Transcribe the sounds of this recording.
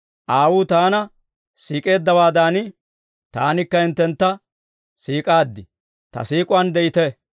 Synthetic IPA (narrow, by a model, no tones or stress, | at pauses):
ʔaːwut̪aːnɐ | siːkʼe̞ːd̪ːɐwaːd̪aːnɪ | t̪a̰ːnɪkːɐɪnt̪ːɛnt̪ːɐ | siːkʼaːd̪ːɪ | t̪ɐ̰siːkʼʊwɐnd̪ɛʔɪt̪ɛ